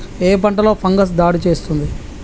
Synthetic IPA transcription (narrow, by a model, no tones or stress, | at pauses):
eːpɐɳʈɐlo̞ːpʰɐŋɡɐs̬d̪aːɽit͡ʃe̞ːst̪und̪i